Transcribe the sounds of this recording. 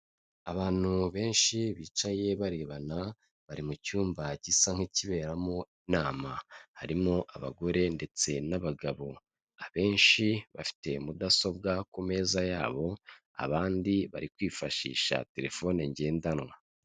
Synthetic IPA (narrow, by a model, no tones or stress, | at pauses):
aβaːn̥huβe̞ːnʃiβiːt͡ʃaje̞βaɾe̞βana | βaɾimucuːmbaɟisaŋ̥hiciβe̞ːɾamoinaːmahaɾimo̞ʔaβa̰ɡo̞ɾe̞nde̞t͡se̞naβaɡaβo̞ | aβe̞ːnʃiβafi̥te̞mudaso̞bɡakume̞ːzajaːβo̞ | a̰βaːndiβa̰ɾikwiːfaʃḭːʃa̰te̞ɾe̞fo̞neɲɟe̞ːndanwa